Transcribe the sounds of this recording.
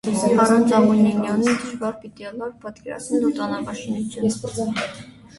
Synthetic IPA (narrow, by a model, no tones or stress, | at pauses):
ɑɾɑnt͡sɑmuninjɑnind̪əʃvɑɾpit̪iɔlɑɾpɑt̪kɛɾɑ̰t͡sʰnɛlut̪ɑnɑpɑʃiŋɡut͡s̪ʰjus